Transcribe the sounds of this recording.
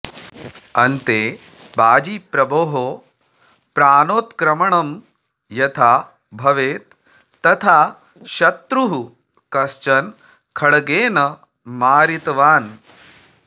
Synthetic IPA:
ɐnt̪eː | baːd͡ʒipɾɐboːɦoː | pɾaːnoːt̪kɾɐmɐɳɐm | jɐt̪ʰaː | bʱɐʋeːt̪ː | ɐt̪ʰaː | ʃɐt̪ɾuɦu | kɐst͡ʃɐn | kʰɐɽɡeːnɐ | maːɾit̪ʋaːn

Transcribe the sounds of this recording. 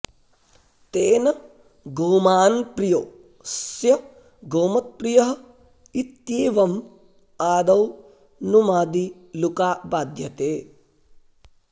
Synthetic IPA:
t̪eːnɐ | ɡoːmaːnpɾijoː | sjɐ | ɡoːmɐt̪̚pɾijɐɦɐ | it̪jiːʋɐm | aːd̪ɐw | numaːd̪i | lukaːbaːd̪ʱjɐt̪eː

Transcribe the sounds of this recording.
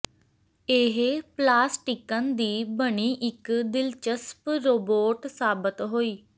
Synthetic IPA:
eːɦplaːsʈikə̃nd̪iːbəɽiːʔɪkd̪ɪlt͡ʃəspɾoːboːʈsaːbət̪ɦoːiː

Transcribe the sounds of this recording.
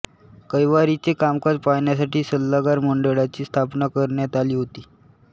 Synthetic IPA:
kəjʋaɾit͡ɕekamkad͡zpajɳjas̬aʈiːsəlːaɡaɾməɳɖəɭat͡ɕiːst̪ʰapnakəɾɳjat̪aliːɦot̪iː

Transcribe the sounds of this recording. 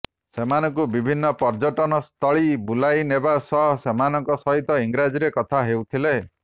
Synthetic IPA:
semanɔŋkubibʱinːɔpɔɾd͡ʒɔʈɔnɔst̪ʰɔɭibulajnebasɔɦɔsemanɔŋkɔsɔɦit̪ɔiŋɡɾad͡ʒiɾekɔt̪ʰaɦewt̪ʰile

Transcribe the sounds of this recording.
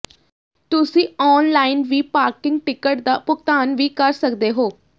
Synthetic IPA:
t̪ʊsĩːɔːnlaːinʋiːpaːɾkɪŋɡ̚ʈɪkəʈd̪aːpʊkt̪aːnʋiːkəɾsəkd̪eːɦoː

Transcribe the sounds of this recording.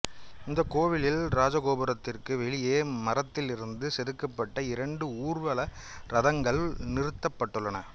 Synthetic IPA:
ɪnd̪ɐkːoːʋɪlɪlɾaːd͡ʒɐɣoːbɐɾɐt̪ːɪrkɯʋɛɭɪjeːmɐɾɐt̪ːɪlɪɾɯnd̪ɯsɛðɯkːɐpːɐʈːɐɪɾɐɳɖɯuːrʋɐlɐ | ɾɐðɐŋɡɐɭnɪɾɯt̪ːɐpːɐʈːɯɭːɐnɐ

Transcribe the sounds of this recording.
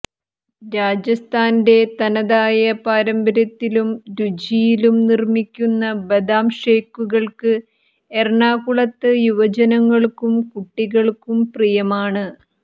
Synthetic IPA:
ɾaːd͡ʑjɐst̪ʰaːnde̞t̪ɐnɐðaːjɐpaːɾɐmbɐɾɐt̪ːilumɾud͡ʑijilumnirmikʲːunːɐbed̪aːmʂe̞ːkːuɣɐɭkɨ | erɳaːkuɭɐt̪ːɨjuʋɐd͡ʑɐnɐŋːɐɭkumkuʈːiɣɐɭkumprijɐmaːɳɨ

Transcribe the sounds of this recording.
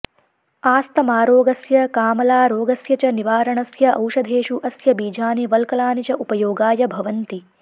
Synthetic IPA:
aːst̪ɐmaːɾoːɡɐsjɐkaːmɐlaːɾoːɡɐsjɐt͡ʃɐniʋaːɾɐɳɐsjɐʔɐ̰wʃɐd̪ʱeːʃuʔɐsjɐbiːd͡ʒʱaːniʋɐlkɐlaːnit͡ʃɐʔupɐjoːɡaːjɐbʱɐʋɐnt̪i

